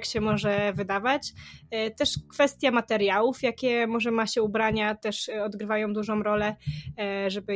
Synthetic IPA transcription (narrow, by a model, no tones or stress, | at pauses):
kɕɛmɔʐɛvɘd̪avat͡ɕt̪ɛʂkfɛst̪ʲjamat̪ɛɾjawufjakʲɛmɔʐɛmaɕɛubɾaɲat̪ɛʂɔd̪ɡɾɘvajɔ̃w̃d̪uʐɔ̃wɾɔlɛ | ʐɛbɘ